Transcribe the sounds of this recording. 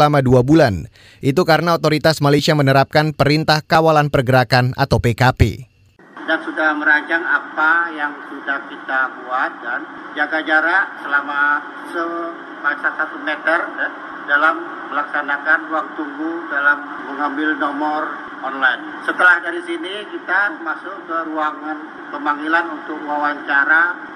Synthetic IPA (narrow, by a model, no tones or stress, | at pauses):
lamaduabulan | ʔit̪ukaɾənaot̪oɾit̪asmalasiamənəɾap̚kanpəɾint̪ahkawalanpərɡəɾakana̰t̪awpekapḛ | dansudahməɾaɲt͡ʃaŋapajaŋsudahkit̪abuat̪̚dand͡ʒaɡad͡ʒaɾaʔsəlama | sə | pasasat̪umet̪ərdɛ | dalamː | əlaksanakanruaŋt̪uŋbudalamːəŋambɪlnɔmɔr | ʔɔnlajn | sət̪əlahdaɾisinikit̪amasʊkəɾuaŋan | pəmaŋilanunt̪ʊkwawant͡ʃaɾa